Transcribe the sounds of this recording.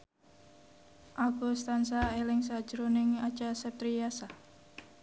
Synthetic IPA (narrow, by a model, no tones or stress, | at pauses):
ʔaɡust̪ansaelɪŋs̬ad̥d͡ʒɾonɪŋḁd͡ʒasɛp̚t̪ɾijasa